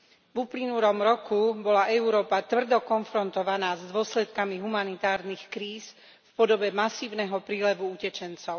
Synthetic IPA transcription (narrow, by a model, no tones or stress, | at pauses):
vuplinulɔmɾɔkubɔlaʔɛuɾɔːpat̪ʋr̩d̪ɔkɔnfɾɔnt̪ɔʋanaːzd̪ʊɔslɛt̪kamiɦumanit̪aːɾnixkɾiːs | fpɔd̪ɔbɛmasiːʊnɛɦɔpɾiːlɛʋuucɛt͡ʃɛnt͡sɔʊ